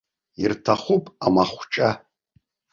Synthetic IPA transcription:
irtʰaχʷupʼamaχʷt͡ʃʼa

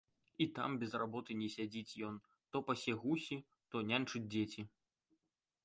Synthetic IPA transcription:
it̪a̰mbʲɛzrabɔt̪ɨnʲɛsʲad͡zʲit͡sʲjɔn | t̪ɔpɐsʲɛɣusʲi | t̪ɔnʲanʲt͡ʂud͡zʲd͡zʲet͡sʲi

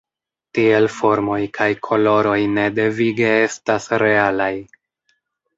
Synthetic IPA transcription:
tie̞lfo̞ɾmo̞jkʰajkʰo̞lo̞ɾo̞jne̞de̞viɡe̞e̞stasɾe̞alaj

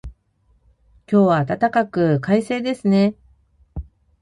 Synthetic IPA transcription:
kʲo̞ːβaːt̪at̪akakɯ̟kaise̞ːd̪e̞sɨne̞

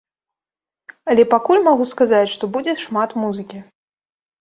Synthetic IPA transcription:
ɐlʲɛpakulʲmaɣuskazat͡sʲʂt̪ɔbud͡zʲɛʂmat̪muzɨkʲi

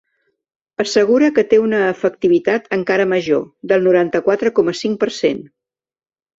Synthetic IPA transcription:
əsəɣ̞uɾəkət̪eunəːfək̚t̪iβit̪at̪əŋkaɾəməʒo̰d̪əlˠnuɾant̪əkwat̪ɾəkɔməsiŋ̚pəɾsen

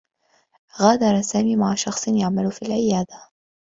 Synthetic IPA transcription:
ɣaːd̪ɑɾˤɑsaːmiːmaʕaʃɑxsˤɨnjaʕmalʊfiːlʕɪjaːd̪a

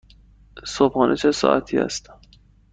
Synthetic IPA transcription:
sobxɒːnʔet͡ʃʰesɒ̰ːʔæt̪ʰiːæ̰st̪

